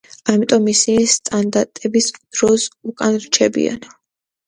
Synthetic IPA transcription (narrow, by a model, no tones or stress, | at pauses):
amit̪ʼɔmːisist̪ʼand̪aɾt̪ʼɛbisd̪̥ɾɔsukʼanɾt͡ʃʰɛbḭa̰n